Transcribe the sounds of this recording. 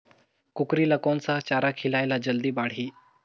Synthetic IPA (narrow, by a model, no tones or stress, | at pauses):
kukɾiːləkont͡sat͡ɕaɾakʰilajlad͡ʑəld̪iːbaɽ̤iː